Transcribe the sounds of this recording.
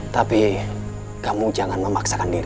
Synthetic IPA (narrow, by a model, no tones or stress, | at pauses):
t̪api | kamud͡ʒaŋanməmaksakandiɾ